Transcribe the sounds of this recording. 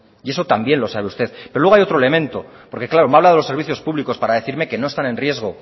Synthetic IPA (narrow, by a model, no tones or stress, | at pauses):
ie̞so̞t̪ambje̞nlo̞saβ̞eust̪e̞ðpeɾowe̞ajot̪ɾoele̞mẽ̞nt̪o̞ | po̞ɾke̞klaɾo̞maβlaðeloseɾβiθjo̞spuβliko̞spaɾaðe̞θiɾme̞ke̞noest̪anẽ̞nrje̞zɣo̞